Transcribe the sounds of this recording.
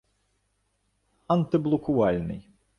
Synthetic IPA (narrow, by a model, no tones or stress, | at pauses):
ɐnt̪ɨblˠʊkʊalʲnɨ̰j